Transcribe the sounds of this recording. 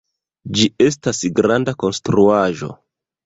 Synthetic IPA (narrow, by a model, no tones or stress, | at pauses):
d͡ʒie̞s̬tasɡɾandako̞nstɾuaʒo̞̰